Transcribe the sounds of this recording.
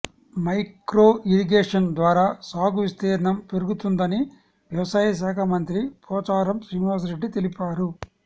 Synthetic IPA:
mɐjkɾoːʔiɾiɡeːʂɐnd̪ʋaːɾaːsaːɡuʋist̪eːɾɐɳɐmpeɾuɡut̪und̪ɐni | ʋjɐʋɐsaːjɐʃ̬aːkʰamɐnt̪ɾipɔːt͡ʃaːɾɐmsɾinʋaːs̬ɾeɖːit̪elipaːɾu

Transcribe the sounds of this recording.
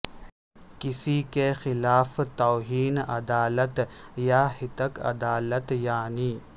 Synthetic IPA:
kɪsikexɪlaːft̪ɔːɦiːnɐ̰d̪aːlət̪jahɪt̪əkɐ̰d̪aːlət̪jaːniː

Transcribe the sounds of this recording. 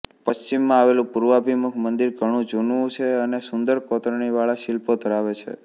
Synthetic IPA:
pəst͡ʃimːãaʋelũpuɾʋabʱimukʰmənd̪iɾɡʱəɽ̃ũd͡ʒunʋũt͡ʃʰeənesʊnd̪əɾkɔt̪ɾɳiʋaɭaʃɪlpod̪ʱəɾaʋet͡ʃʰḛ

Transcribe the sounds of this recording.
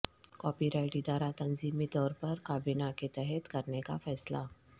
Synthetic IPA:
kɔːpiɾaɪʈiɖaːɾat̪ɐnziːmit̪ɔːɾpəɾkaːbinaket̪ɛɦɛt̪kəɾneka̰fɛːsla

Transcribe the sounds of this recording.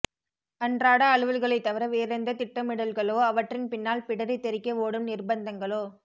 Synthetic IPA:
ɐndraːɽɐːɭɯʋɯlɣɐɭɐɪt̪ːɐʋɐɾɐʋeːɾɐnd̪ɐt̪ɪʈːɐmɪɽɐlɣɐɭoːɐʋɐʈrɪnpɪnːaːlpɪɽɐɾɪt̪ːɛɾɪkːɐoːɽɯmnɪrbɐnd̪ɐŋɡɐɭoː

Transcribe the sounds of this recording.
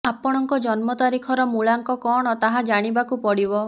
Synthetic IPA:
apɔɽ̃ɔŋkɔd͡ʒɔnmɔt̪aɾikʰɔɾɔmuɭaŋkɔkɔɽ̃ɔt̪aɦad͡ʒaɽ̃ibakupɔɽibɔ

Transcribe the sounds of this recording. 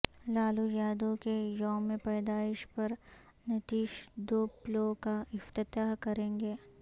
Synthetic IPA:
laːlujaːd̪okejɔːmẽpɛːd̪aːɪʃpɐɾ | nɪt̪iːʃd̪oːplokaɪft̪ɪt̪aːɦkɐɾẽːŋɡeː

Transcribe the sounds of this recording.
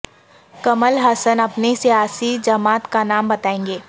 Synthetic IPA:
kɐməlɦɐsənɐpnesijaːsid͡ʒɐmaːt̪kanaːmbɐt̪aːẽːŋɡeː

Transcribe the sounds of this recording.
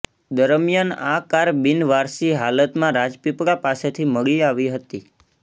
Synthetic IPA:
d̪əɾəmjanakaɾbɪnʋaɾsiɦalət̪mãɾad͡ʒpipɽapaset̪ʰiməɡliaʋiɦət̪i

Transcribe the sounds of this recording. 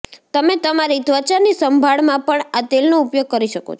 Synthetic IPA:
t̪əmet̪əmaɾid̪ʋət͡ʃanisəmbʱaɭmãpəɳat̪elnoupjoɡ̚kəɾiʃəko̰t͡ʃʰ

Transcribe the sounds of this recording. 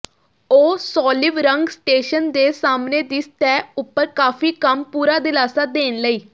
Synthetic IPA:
oːsɔːlɪʋɾəŋɡsʈeːʃənd̪eːsaːmneːd̪ɪst̪ɛːʊpːəɾkaːfiːkəmpuːɾaːd̪ɪlaːsaːd̪eːnləiː

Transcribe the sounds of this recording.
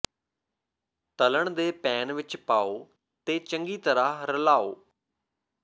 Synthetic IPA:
t̪ələɳd̪eːpɛːnʋɪt͡ʃpaːoː | t̪eːt͡ʃəŋɡiːt̪əɾaːɾəlaːo̰ː

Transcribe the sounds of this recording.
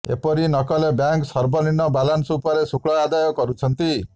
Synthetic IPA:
ḛpɔɾinɔkɔlebjaŋksɔɾbʱɔninːɔbalansupɔɾesukɭɔad̪ajɔkɔɾut͡ʃʰɔnt̪i

